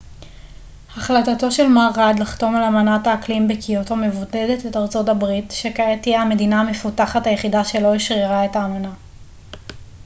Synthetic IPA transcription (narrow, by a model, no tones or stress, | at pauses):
haχlatato̞ʃe̞lmaːʁad̪laχto̞malamanataːklimbekʰijotome̞vodedetetaʁt͡so̞tabʁitʃe̞kaetijeame̞dinaame̞futaχathajeχidaʃe̞lo̞iʃʁiʁae̞taːmana